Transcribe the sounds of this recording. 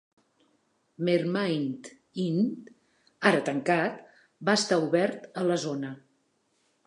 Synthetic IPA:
meɾmajnt̪ | int̪ | aɾət̪əŋkat̪ | baəst̪auβɛɾt̪ələzonə

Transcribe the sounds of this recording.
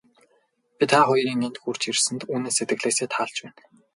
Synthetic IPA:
pʲit̪ʰaːχʊjɾiːŋent̪xur̥t͡ɕirsɘ̆nt̪uːneːsːet̪ɡɘ̆ɮeːseːt̪ʰaːɮt͡ɕpæːn

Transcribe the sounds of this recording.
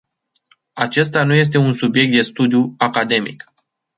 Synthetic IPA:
at͡ʃe̞st̪anuje̞s̬t̪e̞unsubje̞k̚t̪̚d̪e̞st̪ud̪ijuakad̪e̞mḭk

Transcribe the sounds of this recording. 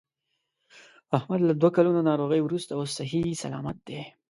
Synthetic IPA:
ahmad̪lad̪wakalunonɑɾoɣəjwɾust̪aosːaɦisa̰lɑ̰ːma̰t̪̚d̪e

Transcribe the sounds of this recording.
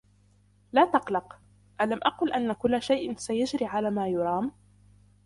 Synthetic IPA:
laːt̪ɑqlɑq | ʔalamʔaqʊːlʔanːakʊlːaʃajʔsajad͡ʒɾiːʕalaːmaːjʊɾˤɑːm

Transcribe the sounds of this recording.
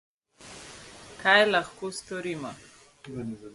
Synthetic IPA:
kajlaxkoːst̪ɔɾiːmɔ

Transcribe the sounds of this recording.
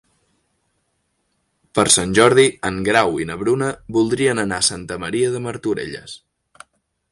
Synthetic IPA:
pəɾsanʲʒɔɾð̞iəŋɡɾawinəβɾunəβulˠd̪ɾiənənasant̪əməɾiəðəməɾt̪uɾḛʎə̰s

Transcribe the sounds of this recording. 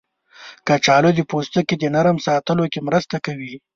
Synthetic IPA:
kat͡ʃɑlod̪əpost̪əked̪ənaɾəmsɑːt̪əlokemɾəst̪akawi

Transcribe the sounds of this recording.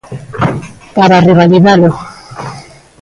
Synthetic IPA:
paɾariβaliðalo

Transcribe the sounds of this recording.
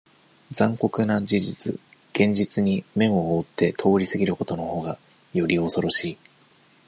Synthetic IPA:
d͡zãŋko̞kɯ̟nad͡ʑiʑit͡sɨ̰ | ɡ̥ẽ̞ɲ̟d͡ʑit͡sɨɲ̟imẽ̞ɰ̃o̞oːt̪ːe̞t̪ʰo̞ːɾʲisɨɡʲiɾɯ̟ko̞t̪o̞no̞ho̞ːɡa | jo̞ɾʲio̞so̞ɾo̞ɕiː

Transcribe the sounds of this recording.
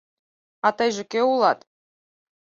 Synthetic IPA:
ɑt̪ɑjʒɘ̆kʲeulˠɑt̪

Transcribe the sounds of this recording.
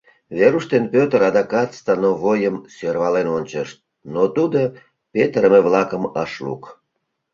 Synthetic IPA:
βeɾuʃt̪enpʲøt̪əɾɑd̪ɑkɑt̪st̪ɑnoβojəmsørβɑlenonʲt͡ɕəʃt̪̚ | not̪ud̪o | pʲet̪əɾəmeβlɑkəmɑʃlṵk

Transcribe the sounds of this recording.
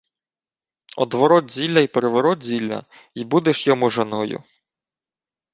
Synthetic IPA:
ɔ̰d̪ʋɔɾɔt̪zʲilʲːɐipeɾeʋɔɾɔd̪zʲilʲːɐ̰ | ibud̪eʃjɔmuʒenɔjʊ̰

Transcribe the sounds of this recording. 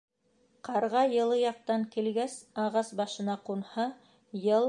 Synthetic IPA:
qɑɾʁɑjɤ̆lˠɤjɑq̚t̪ɑŋkilɡæsɑʁɑsbɑʃɤ̆nɑqunhɑ | jɤlˠ

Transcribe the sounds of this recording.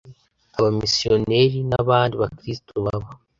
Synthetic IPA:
aβamisio̞ne̞ɾinaβaːndiβakɾisi̥tʰoβaβo

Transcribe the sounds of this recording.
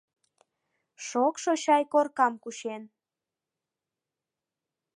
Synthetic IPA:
ʃokʃoɕɑjkorkɑmkuʃen

